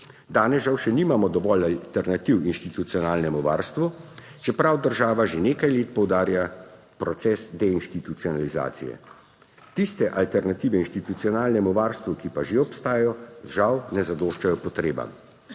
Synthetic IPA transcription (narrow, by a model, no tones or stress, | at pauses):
d̪aːnɛsʒawʃɛniːmamɔd̪ɔʋɔlalt̪ɛɾnat̪iwinʃt̪it̪ut̪sijɔnaːlnɛmuʋa̰ːɾst̪ʋu | t͡ʃɛpɾawd̪əɾʒaːʋaʒeneːkajleːt̪̚pɔwd̪aːɾja | pɾɔt̪sɛsd̪ɛinʃt̪it̪ut̪siɔnaliza̰ːt̪sḭjɛ̰ | t̪ist̪ɛʔalt̪ɛɾnat̪iːʋɛinʃt̪it̪ut̪siɔnaːlnɛmuʋaːɾst̪ʋukipaʒeɔpst̪aːjajɔʒawnɛzad̪oːʃt͡ʃajɔpɔt̪ɾeːba̰m